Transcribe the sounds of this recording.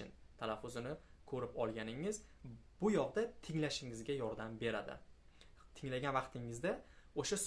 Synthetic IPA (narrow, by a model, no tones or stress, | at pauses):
ɪnt̪ʰalafːʊzɪnɪkʰɵɾɪpɒlˠɡʲanɪŋːɪzbʊjɒʁd̪at̪ʰɪŋlaʃɪŋɪzɡʲajɒɾd̪ambe̞ɾad̪ɪ̰ | t̪ʰɪŋlaɡʲanvɑqt̪ʰɪŋɪzd̪a | oʃas